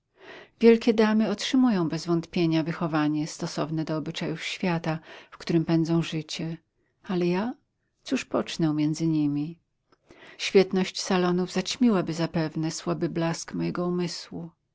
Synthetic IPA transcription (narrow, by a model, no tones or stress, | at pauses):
vʲjɛlkʲɛd̪amɘɔtʂɘmujɔ̃w̃bɛzvɔnt̪pʲjeɲavɘxɔvaɲɛst̪ɔsɔvnɛd̪ɔːbɘt͡ʂajufɕfʲjat̪afkt̪uɾɘmpɛnd̪zɔ̃w̃ʐɘt͡ɕɛ | alɛja | t̪suʂpɔt͡ʂnɛwmʲjɛnd̪zɘɲimʲi | ɕfʲjɛt̪nɔɕt͡ɕsalɔnuvzat͡ɕmʲiwabɘzapɛvnɛswabɘblaskmɔjɛɡɔumɘswu